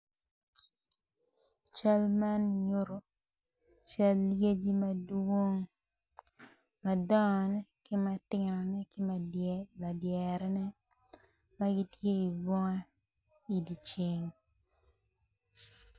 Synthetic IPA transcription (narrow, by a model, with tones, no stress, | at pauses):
t͡ʃa˦lma˦nɲo˦ɾo˨ | t͡ʃa˦lːɡe˦d͡ʒi˦ma˦do˦ŋ | ma˨dɔ˦˨nɛ˦kɪ˦ma˦tɪ˨nɔ˨nɛ˦kɪ˦ma˨la˨djɛ˨ɾɛ˦nɛ˦ | ma˦ɡi˦tje˦i˨bwɔ˦ŋɛ˦ | i˨di˨t͡ʃe˦ŋ